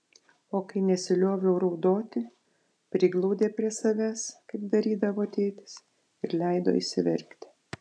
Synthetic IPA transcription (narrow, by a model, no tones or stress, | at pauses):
oːkɐɪnʲɛsʲɪlʲoːʋʲɛʊɾɐʊd̪oːt̪ʲɪ | pʲɾʲɪɡlˠɐʊd̪ʲeːpʲɾʲiɛsɐʋʲæːskɐɪp̚d̪ɐɾʲiːd̪ɐʋoːt̪ʲeːt̪ʲɪ̥s | ɪɾlʲɛɪd̪o̰ːɪ̰ʃsʲɪʋʲɛɾʲkt̪ʲɪ̥